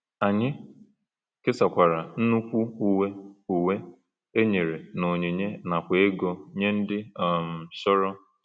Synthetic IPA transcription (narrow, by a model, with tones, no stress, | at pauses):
a˨ɲɪ˦ | kɪ˦sa˨kʷa˨ɾa˨n̩˦nu˦kʷu˦u˨we˦u˨we˦ | e˦ɲe˨ɾe˨no˨ɲe˨ɲe˦na˨kʷe˨˦e˦ɡɔ˦ɲe˦n̩˦dɪ˦˨m̩˨ʃɔ˦ɾɔ˦